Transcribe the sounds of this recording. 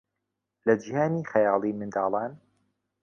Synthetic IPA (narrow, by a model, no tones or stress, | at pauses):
lɐd͡ʒihaːniːxɐjɑːlˠimɨnd̪ɑːlˠɑːn